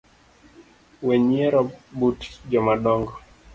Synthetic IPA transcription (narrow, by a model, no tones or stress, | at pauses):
wɛɲɛɾɔbutd͡ʒɔmaɗɔŋɡɔ